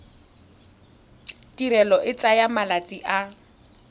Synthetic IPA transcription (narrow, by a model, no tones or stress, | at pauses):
tiɾɛlɔʔɪt͡sajamalat͡sʼiʔa